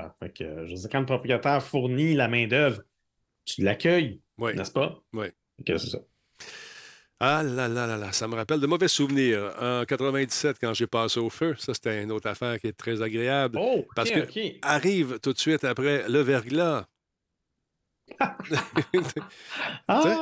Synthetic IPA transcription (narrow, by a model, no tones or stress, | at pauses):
fɛkʰə̰ʒəd͡zziːʁkɑ̃ləpʁɔpχijat̪ɛːʁfʊʁnilamɛ̃ːd̪œvʁ | t̪ylakʲʰœj | wɛnɛ̰spʌwɛ | fɛkəsesʌ | alalalalasaməʁapɛld̪əmɔvɛsuvniːʁəkat̪ʁəvɛ̃d̪d͡zi̥sɛt̪̚kɑ̃ʒepɑːseoføsʌse̥t̪ɛɛ̃noːt̪χafɛːʁkʲjet̪ʁɛzaɡʁeablopaʁsəkəkʲeaʁiːvt̪ʊt̪sɥɪt̪apʁɛləvɛʁɡla | ase